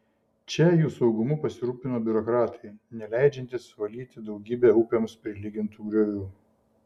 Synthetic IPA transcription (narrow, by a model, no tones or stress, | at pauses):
t͡ʃʲɛjuːsɒʊɡʊmʊpɐsʲɪɾuːpʲɪnoːbʲʊɾɔkɾɑːt̪ʰɐɪnʲɛlʲæˑɪd͡ʒʲɛnʲt̪ʲɪsʋɐlʲiːt̪ʲɪd̪ɒʊɡʲiːbʲeːuːpʲemʊspʲɾʲɪlʲiɡʲɪnt̪uːɡɾʲoːʋʲuː